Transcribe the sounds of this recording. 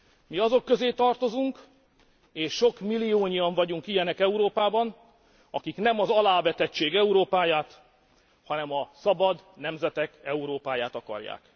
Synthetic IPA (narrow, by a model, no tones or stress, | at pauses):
miɒzo̞kːøzeːt̪ɒrt̪o̞zuŋk | eːʃːo̞kmilːijoːɲijɒɱvɒɟuŋkijɛnɛkɛuɾoːpaːbɒn | ɒkiknɛmɒzɒlaːvɛt̪ɛt͡ʃːeːɡɛuɾoːpaːjaːt̪ | hɒnɛmɒsɒbɒd̪nɛmzɛt̪ɛkɛuɾoːpaːjaːt̪ɒkɒ̰rja̰ːk